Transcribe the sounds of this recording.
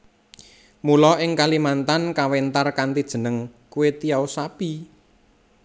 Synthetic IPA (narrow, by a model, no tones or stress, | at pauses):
mulɔʔɪŋkalimant̪ankawent̪arkant̪id̥ʒ̥ə̤nəŋkuwet̪ijaosapi